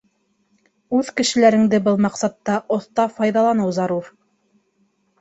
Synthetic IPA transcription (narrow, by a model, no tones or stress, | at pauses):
ʉðkɘ̆ʃɘ̆læɾɘ̆ŋd̪ɘbɤlˠmɑqsɑt̪ːɑʔŏθt̪ɑfɑjðɑlˠɑnɤwzɑɾuɾ